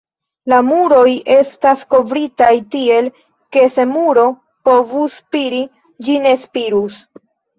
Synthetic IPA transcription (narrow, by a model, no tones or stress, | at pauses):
lamuɾo̞jʔe̞stasko̞vɾitajtie̞l | ke̞se̞muɾo̞ | po̞vuspiɾi | d͡ʒine̞spiɾus